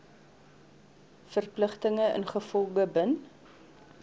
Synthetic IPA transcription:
fərpləχtəŋəʔə̰nχəfɔlˠɡəbən

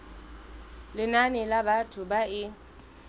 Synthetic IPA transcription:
lɪnanɪlabatʰʊbaɪ

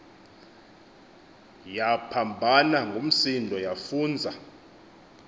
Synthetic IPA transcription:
japʰambʱanaŋɡʱom̩sindʱɔjafuːnd͡zʱa

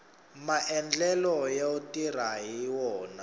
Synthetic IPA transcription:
maʔɛnd͡ɮɛlɔjautʼir̤aɦiwɔːna

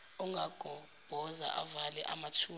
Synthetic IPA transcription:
uŋɡʱaɡ̥ʱɔ | b̥ʱɔza̰ʔa̰valɛʔamatʰuː

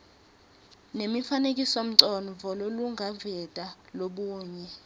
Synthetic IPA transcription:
nemifanek̬ʼisom̩ǀɔnɔvɔloluŋɡʱavɛd̥ʱʼaloɓuːɲɛ

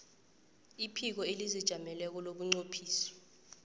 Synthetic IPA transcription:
ipʰik̬ɔelizid̥ʒ̥ʱamɛlɛk̬ɔlok̬uŋ͡ǀopʰiːsɔ̥

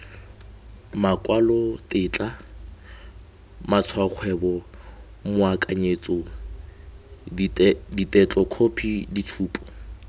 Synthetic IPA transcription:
makʼwalɔtʼɪt͡ɬʼa | mat͡sʰwaq͡χʰwɛbɔ | mʊakʼaɲet͡sʼɔ | ditʼɛt͡ɬʼɔkʰopʰiditʰuːpʰʼɔ̥

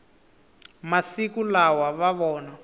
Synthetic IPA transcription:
masikulawaβaβɔːna

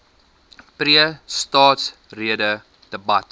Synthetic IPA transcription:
priəstɑːts | riədə | d̥əbɐt

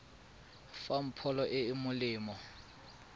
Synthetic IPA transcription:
fam̩pʰɔlɔʔɪːmʊlɪːmɔ

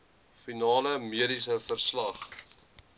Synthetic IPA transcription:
finɑːləmiəɾisəfərslɐχ

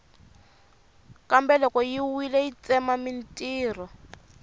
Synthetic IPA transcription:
kambɛlɔkɔjiwilɛit͡sɛmamintʼiːrɔ

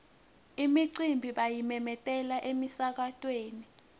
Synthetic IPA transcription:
imiǀimbʱiɓajimɛmɛtʼɛlaʔemisak̬atʼweːni

